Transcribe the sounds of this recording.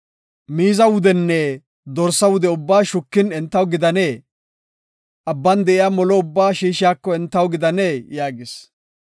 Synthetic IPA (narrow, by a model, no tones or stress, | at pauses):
miːzɐwʊd̪ɛnːɛ | d̪ɔɾsːɐwʊd̪ɛʊbːaːʃʊkːɪnɛnt̪ːɐwɡɪd̪ɐneː | ʔɐbːɐnd̪ɛʔɪjaːmɔlɔʊbːaːʃiːʃɪjaːkːɔɛnt̪ːɐwɡɪd̪ɐneːjaːɡɪs